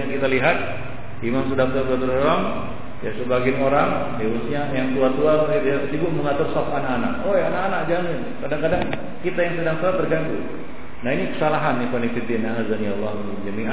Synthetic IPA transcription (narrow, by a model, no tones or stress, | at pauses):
akit̪aliɦat̪̚ | imaŋsədak̚t̪uat̪uat̪uɾuaŋ | jasəbaɡɪnoɾaŋ | deɾusɲajaŋt̪uat̪uabɡit̪ujasibʊʔməŋat̪ʊrsɔfanakana̰k̚ojanakanak̚d͡ʒaninkadaŋkadaŋ | kit̪ajaŋsədaŋsəlat̪ərɡanku | naɦinikə̥salaɦanːipanikfid̪ɪnaɦazanijalːah | ud͡ʒamiʔa